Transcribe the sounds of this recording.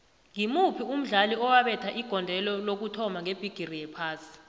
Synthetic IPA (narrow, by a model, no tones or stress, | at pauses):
ŋimupʰium̩ɮaliɔwaɓɛtʰaʔiɡ̥ʱɔndʱɛlɔlok̬utʰɔmaŋeb̥ʱiɡ̥ʱirijɛpʰaːsi̥